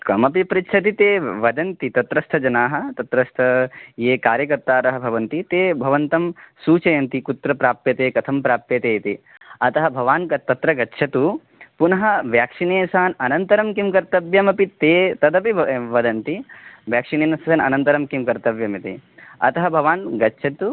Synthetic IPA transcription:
kɐmɐpipɾitːʃʰɐt̪̬it̪eːʋɐd̪ɐnt̪it̪ɐt̪ɾɐst̪ʰɐd͡ʒɐnaːɦɐ̆t̪ɐt̪ɾɐst̪ʰɐjeːkaːɾjɐkɐɾt̪aːɾɐɦɐbʱɐʋɐnt̪it̪eːbʱɐʋɐnt̪ɐmsuːt͡ʃɐjɐnt̪ikut̪ɾɐpɾaːpjɐt̪eːkɐt̪ʰɐmpɾaːp̚pjɐt̪eːt̪i | ɐt̪ɐɦɐbʱɐʋaːnkɐt̪ːɐt̪ɾɐɡɐtːʃʰɐt̪u | punɐɦɐʋjaːkʂineːsaːnɐnɐnt̪ɐɾɐmkimkɐɾt̪ɐbjɐmɐpit̪eːt̪ɐd̪ɐpiʋɐd̪ɐnt̪iʋjaːkʂineːnsaːnɐ̰nɐnt̪ɐɾɐmkimkɐɾt̪ɐʋjɐmit̪iɐ̰t̪ɐɦɐbʱɐʋaːnɡɐtːʃʰɐt̪u

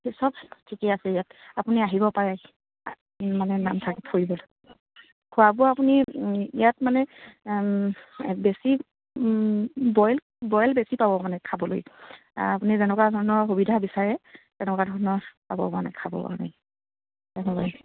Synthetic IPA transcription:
hesɔbtʰikɛasɛijatapuniaɦiβɔpaɹaj | manɛnamtʰakithoɹibɔl | kʰʊabʊapuniijatmanɛ | besi | bɔjl | bɔjlbesipabɔmanɛkʰabɔlo̰j | apunizɛnɔkadʱɔɹnɔɹɦubidʱabisaɹɛtɛnɔkadʱɔɹɔnɔɹpa̰bɔ̰manɛ̰kʰabɔ̰pa̰na̰j | tɛnɛbaɛ

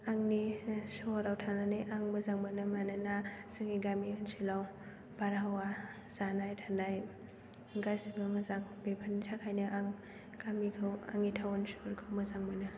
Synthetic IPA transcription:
aŋnisɔɾawtʰananajʔaŋmɐzaŋbanɯmanɯnasɯŋiɡamiansʰilaw | b̥aɾaɦawa | z̥anajtʰanaj | ɡajsibɯmazaŋbepʰanitʰakʰajnɯʔaŋ | ɡ̥amikʰɯwa̰ŋitʰawansoɾkʰɯwmɐzaŋbanɯ

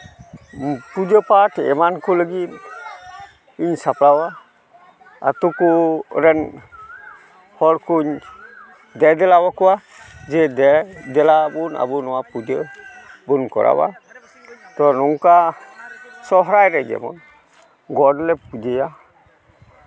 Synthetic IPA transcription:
pud͡ʒəpatɛ̰mankoləɡit | iɲsaplawa | a̰t̪ukuɾɛn | hɔɾkuɲ | dɛd̪ɛlawakɔwa | d͡ʒɛdɛdɛlabuna̰bunɔwapud͡ʒəbunkɔ̰ɾa̰wa̰ | t̪ɔnɔŋka | sɔɦɾajɾɛd͡ʒɛ̰mɔ̰n | ɡɔdlɛpud͡ʒeja

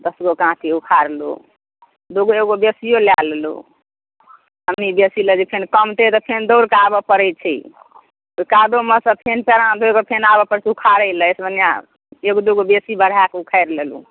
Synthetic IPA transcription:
d̪əsɡokãtʰiukʰaɾlo̰ | d̪oɡoeɡobesijolallṵ | əmnibesiləd͡ʒepʰenkəmt̪et̪ɔpʰend̪oɾkabəpəɾəjt͡ʃʰi | okad̪oməsəpʰenpeɾãd̪okopʰenabəpəɾsukʰaɾəjləjsbənija̰ | eɡod̪oɡobesibəɽ̤akeukʰəɪɾlelṵ

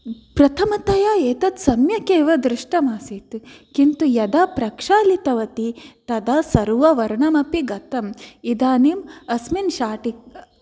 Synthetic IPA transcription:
pɾɐt̪ʰɐmɐt̪ɐjaːeːt̪ɐt̪sɐmjɐkeːʋɐd̪ɾɪʂʈɐmaːsit̪kint̪ujɐd̪aːpɾɐkʂaːlit̪ɐʋɐt̪it̪ɐd̪aːsɐɾuʋɐʋɐɾɳɐmɐpiɡɐt̪ɐmid̪aːniːmɐsminʃaːʈik̚

